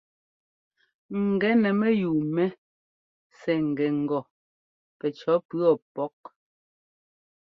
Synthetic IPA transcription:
ŋ̩˨ɡɛ˨˦nɛ˨mɛ˦juː˨mɛ˦ | sɛ˨ŋ̩˨ɡɛ˨ŋ̩˨ɡɔ˨ | pɛ˨t͡ʃɔ˨˦pɰɔ˨pɔ˨˦k̚

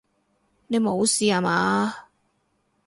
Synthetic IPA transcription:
ne˨˧jmo˨˧wsiː˧aː˨˧maː˨˧˦

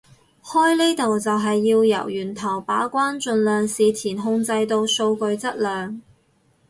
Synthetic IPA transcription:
hɔː˥jliː˥t̪o˨wt͡sɐ˨wɦɐ˨jːiː˧wjɐ̰˨˩wjyː˨˩nt̪ʰɐ˨˩wpaː˨˥kʷaː˥nt͡ʃɵ˧nlœː˨ŋsiː˨t̪ʰiː˨˩nɦʊ˧ŋt͡sɐ˧jt̪o˧wso˧wkɵ˧ɥt͡sɐ˥t̚lœː˨ŋ

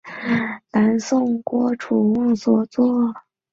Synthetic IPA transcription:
la˧˥nsʊ˥˩ŋkwɔ˥ʈ͡ʂʰu˨˩wɑ˥˧ŋswɔ˥˩t͡swɔ˥˩

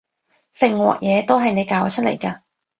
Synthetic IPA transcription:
fɪ˨ŋwɔ̰ː˨k̚jʔɛː˨˧t̪o˥wɦɐ˨jne˨˧jkaː˨˧wt͡ʃʰɵ˥lḛ˨˩jkaː˧

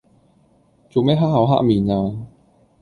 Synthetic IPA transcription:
t͡so˨wmɛː˥ɦaː˥ʔhɐ˨˥wɦa̰ː˥miː˨˩naː˧

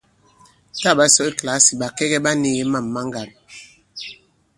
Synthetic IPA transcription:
ta˦˨ba˦sɔ˦e˦kla˦si˨ɓa˨kɛ˦ɣɛ˦ɓa˦ni˦˨ɣe˦ma˦˨mːa˦ŋɡa˨n

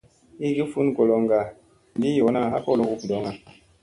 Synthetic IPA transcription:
i˦ɡi˦fu˦nɡo˨lo˨ŋɡa˨ | n˨di˦jo˨˦na˦˨ɦa̰˦kɔ˦lo˦u˨pdɔ˨˦ŋa˨

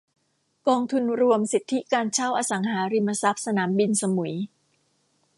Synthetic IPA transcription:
kɔː˧ŋt̪ʰu˧nɾu˧əmsi˨˩t̪ʰːi˦˥kaː˧nt͡ɕʰa˥˩wʔaː˧sa˩˦ŋɦaː˩˦ɾi˧mːa˧sa˦˥p̚sa˧naː˩˦mbi˧nsa˧mu˨˩˦j

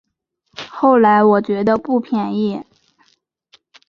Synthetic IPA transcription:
xo˥˩ʊla˧˥ɪwɔ˨˩t͡ɕɥɛ˧˥d̪ə˧pu˥˩pʰjɛ˨˩ni˥˩

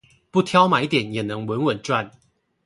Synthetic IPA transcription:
pu˥˩t̪ʰjɑ˥˦ʊma˨˩i˥˩t̪jɛ˨˦njɛ˨˩nɤ˧˦ŋwə˧˦nwə˨˩nʈ͡ʂwa˥˨n

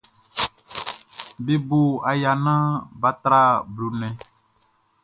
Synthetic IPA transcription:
be˨bo˨a˨ja˨nã˦ba˨t̪ɾa˦blo˨nɛ̃˨

